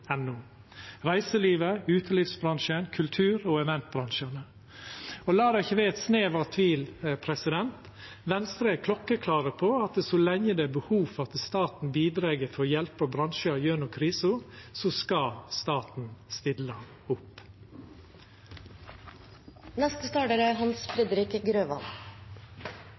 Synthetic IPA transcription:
ɛnʊː | ɾæɪsəliːʋəʉːt̪ʰəlɪfsbɾɑŋʃənkʰʉlt̪ʰʉːɾoːɛʋɛnt̪̚bɾɑŋʃənə | ɔlɑːd̪æɪçəʋæɛt̪sneːʋɑt̪ʰʋiːlpʰɾɛsɪd̪ɛnt̪ | ʋɛnst̪ɾeːkʰlɔkːəkʰlɑːɾəpʰɔɑt̪sɔlɛŋːəd̪ɛæːbəhuːfɑt̪əst̪ɑːt̪n̩biːd̪ɾeːɡəɾfɔjɛlpəbɾɑnʃəjøːnʊkʰɾiːsʊsɔskɑst̪ɑːt̪n̩st̪ɪlə | ʊp | nɛst̪əst̪ɑːʈəɾəɦɑnsfɾɛd̪ɾɪkəɡɾøːʋɑ̰n

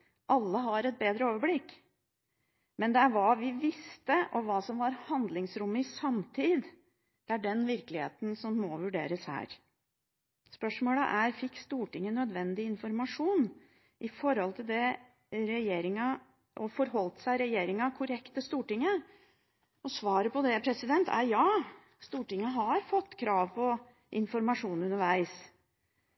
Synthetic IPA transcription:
ʔɑlːəɦɑɾɛt̪̚beːd̪ɾəoːʋəblɪkː | mɛnd̪ɛæɾʋɑʋɪʋɪst̪əʔɔʋɑːsɔmʋɑɾhɑnd̪lɪŋsɾʊmːəɪsɑmt̪ʰiːd̪ | d̪̥ɛæɖɛnʋɪɾklɪhḛːt̪n̩sɔmːɔʋʉɖeːɾəshæ̰ːɾ | spœʂmoːlə̰ʔæɾfɪkːst̪uːʈɪŋːənœd̪ʋɛnd̪ɪɪnfɔɾmɑʂuːn | ʔɪfɔɾɔlt̪ʰɪld̪ɛ | ɾɛjeːɾɪŋɑ | ʔɔfɔɾɦɔlt̪sæɪɾɛjeːɾɪŋɑkʰʊɾɛkt̪əst̪uːʈɪŋːə | ɔsʋɑːɾəpɔd̪ɛpʰɾɛsɪd̪ɛnt̪ʰæ̰ɾjɑː | st̪uːʈɪŋːəɦɑɾfɔt̪ːkʰɾɑːʋpʰɔ | ʔɪnfɔɾmɑʂuːnʉnːəɾʋæɪs

